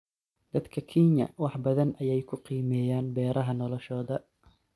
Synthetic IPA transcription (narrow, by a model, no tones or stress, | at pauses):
d̪̥ɐd̪kʰɐkʰinɐ̰wɑħbɐðɐnʔɐjɛjkʰʊqiːmɛːjaːnbɛːɾʔɐɦɐnɔlɔʃɔːðɐ